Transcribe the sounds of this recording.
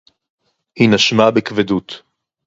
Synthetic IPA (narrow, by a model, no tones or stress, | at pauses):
hinaʃmabekvedut̪